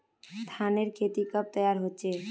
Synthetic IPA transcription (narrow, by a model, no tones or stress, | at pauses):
st̪ʰaneɾkʰet̪ikəp̚t̪əjaɾɦoːt͡ʃʰe